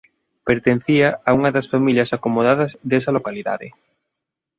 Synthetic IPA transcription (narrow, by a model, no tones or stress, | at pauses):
peɾt̪en̟θiɐauŋɐðɐsfamiljɐsakomoð̞aðɐzðesɐlokaliða̰ðɪ̰